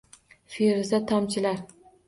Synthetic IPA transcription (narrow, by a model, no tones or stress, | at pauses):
feɾɪzat̪ʰamt͡ʃʰɪlaɾ